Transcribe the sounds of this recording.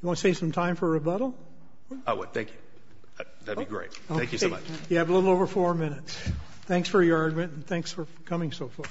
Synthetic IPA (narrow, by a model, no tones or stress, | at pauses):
jɨwɑ̃nəseɪsʌ̃mtʰãɪ̃ɱfə˞ɨbʌɾl̩ˠ | a̰wʌ̰d̚θæ̰̃ŋkjʉ | ðætbiɡɹḛɪt̚oæ̃kʰkjɨseomʌ̰t͡ʃjæːvəlɪɾl̩ˠoʊvə˞fɔɹmɪ̃nɨts | θæ̃ŋksfə˞jə˞ɑɹɡmɨ̃ntn̩θæ̃ŋksfə˞ | kʰʌmɪ̃ŋsoʊfɑɹ